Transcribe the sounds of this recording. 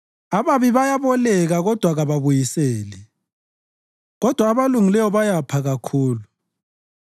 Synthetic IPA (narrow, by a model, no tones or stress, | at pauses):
aβaβiβajaβɔlɛɣaɣɔd̥ʱwaɣaβaβujisɛːlɛ | ɣɔd̥ʱwaːβaluŋilɛwɔβajapʰaɣakʰuːlu